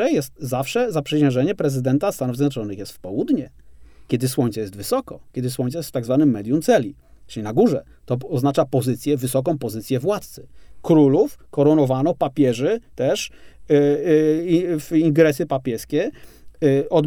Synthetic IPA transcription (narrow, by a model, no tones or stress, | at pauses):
ɛjɛst̪zafʂɛzapʂɛɕɛ̃ʐɛɲɛpɾɛzɘd̪ɛnt̪ast̪anuvzʲjɛd̪ɔt͡ʂɔnɘxjɛst̪fpɔwud̪ɲɛkʲɛd̪ɘswɔɲʲt̪sɛjɛst̪vɘsɔkɔkʲɛd̪ɘswɔɲt̪sajɛst̪ft̪aɡzvanɘmːɛd̪ʲjumt̪sɛlʲi | ʈ͡ʂɘlʲinaɡuʐɛ | t̪ɔɔznat͡ʂapɔzɘt̪sʲjɛvɘsɔk̬ɔ̃w̃pɔzɘt̪sʲjɛvwat̪̚t̪sɘ̥kɾulufkɔɾɔnɔvanɔpapʲjɛʐɛt̪ɛʂ | viŋɡɾɛsɘpapʲjɛskʲɛ | ɔd̪